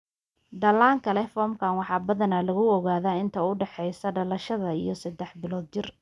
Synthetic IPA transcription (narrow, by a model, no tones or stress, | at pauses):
d̪ɐlaːŋkʰɐlɛfɔːmkʰaːnwɑħɑːbɐðɐnɐlɐɣʊɔɣaːðaːɪnt̪ʰɐʊɖɛħɛjsɐɖɐlɐʃɐðɐijɞsɐd̪ɛħbɪlɔːd̪̚t͡ʃɪr